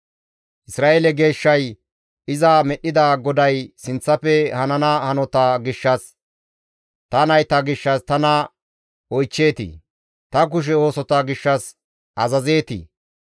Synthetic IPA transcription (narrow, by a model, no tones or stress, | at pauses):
ʔɪsɾaːelɛɡe̞ːʃːɐj | ɪzamɛɗːɪd̪aːɡɔd̪ɐjsɪnt͡sːɐfɛhɐnɐnɐhɐnɔt̪aɡɪʃːɐs | t̪ɐnɐjt̪ɐɡɪʃːɐst̪ɐnɐ | ɔjt͡ʃːe̞ːt̪ḭ | t̪ɐk̬ʊʃ̬ɛo̞ːsɔt̪ɐɡɪʃːɐs | ʔɐzɐze̞ːt̪ḭ